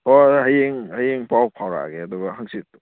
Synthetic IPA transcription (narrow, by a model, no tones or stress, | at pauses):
ɔɦajeŋhajeŋpawpʰawɾa̰ɡeaduɡɐɦaŋsit